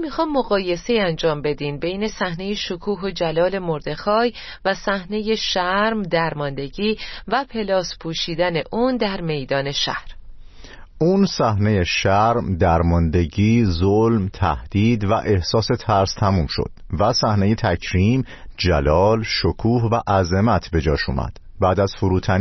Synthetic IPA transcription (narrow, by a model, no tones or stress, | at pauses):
mixɒːjmːoɣɒːje̞se̞iænd͡ʒɒːmbe̞d̪iːmbe̞jne̞sæhne̞jeʃokʰuːɦo̞d͡ʒælɒːle̞mo̞ɾd̪e̞xɒːj | væsæhne̞je̞ʃæɾmd̪æɾmɒnd̪e̞ɟiːvæpʰe̞lɒːspʰuːʃiːd̪æne̞ʔuːnd̪æɾme̞jd̪ɒːne̞ʃæ̰hɾ | ʔuːnsæhne̞jeʃæɾmd̪æɾmɒnd̪e̞ɟiːzolmt̪ʰæ̰hd̪̥iːd̪væ̰ʔe̞hsɒːse̞t̪ʰæɾst̪ʰæmuːmʃo̰d̪̥væsæhne̞je̞t̪ʰæcʰɾiːm | d͡ʒælɒːlʃokʰuːhvæʔæze̞mæt̪ʰbe̞d͡ʒɒːʃṵːmæ̰d̪̥ | bæːd̪æz̥fuɾuːt̪ʰæn